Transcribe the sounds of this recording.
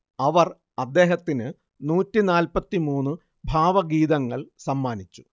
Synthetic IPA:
ɐʋɐr | ɐd̪ːe̞ːɦɐt̪ːinɨ | nuːtːinaːlpɐt̪ːimuːnːɨ | bʱaːʋɐɡiːðɐŋːɐɭsɐmːaːnit͡ɕːu̥

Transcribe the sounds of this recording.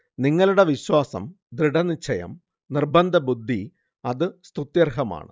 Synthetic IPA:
niŋːɐɭuɽe̞ʋiɕwaːsɐ̰m | d̪ɾiɽɐnit͡ɕʰːɐjɐ̰m | nirbɐnd̪ʱɐbud̪ʱːi | ɐðɨst̪ut̪jɐrɦɐma̰ːɳɨ̰

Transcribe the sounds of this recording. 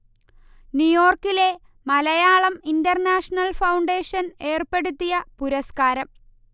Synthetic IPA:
njujo̞ːrkːile̞ | mɐlɐjaːɭɐmindɐrnaːʂɐnɐlfɐwɳɖe̞ːʂɐne̞ːrpe̞ɽut̪ːijɐpuɾɐskaːɾɐm

